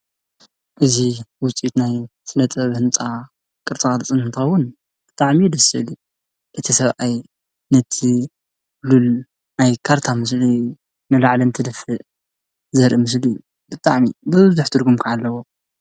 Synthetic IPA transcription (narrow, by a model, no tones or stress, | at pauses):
ʔɨziwʊt͡sʼiut̪najsɨnɐt̪ʼɐβhɨnt͡sʼa | kʼɨɾt͡s̪ʼɨkʼalt͡sʼɨnɨnt̪ʰɨxɐwʊn | b̥ɨt̪ʼaʕmid̪ɐsɨlu | ʔɨt̪ʰisɐβʔaj | nɐt̪ʰi | lul | najkʰaɾt̪ʰamɨs̬li | nɨlaʕlɐnt̪ʰɨd̪ɐfɨʔ | zɐɾʔimɨs̬li | bɨt̪ʼaʕmibɨβzuħt̪ʰɨɾɡumkʰaʕalːɐwo